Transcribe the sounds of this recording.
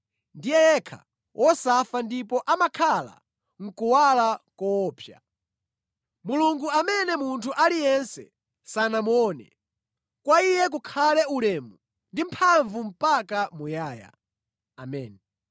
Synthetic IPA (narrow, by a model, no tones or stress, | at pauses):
ndijɛjɛkʰa̰ | wʔɔsafandipɔʔamakʰala̰ | ŋ̩kuwalakɔɔːpʰja | muluŋɡuamɛnɛmuntʰuʔalijɛnsɛ̰ | sanamɔːnɛ̰ | kwaijɛk̬ukʰalɛulɛmu | ndimpʰaɱvum̩pakamujaːja̰ | amɛ̰ːni